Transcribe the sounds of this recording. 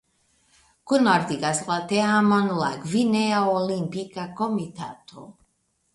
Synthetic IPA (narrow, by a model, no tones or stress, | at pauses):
kunɔɾd̪iɡaslat̪eamɔnlaɡvineaolimpikakomit̪ʰat̪ʰo̰